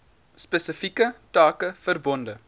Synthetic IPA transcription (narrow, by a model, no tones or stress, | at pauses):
spəsəfikətɑːkəfərbɔndə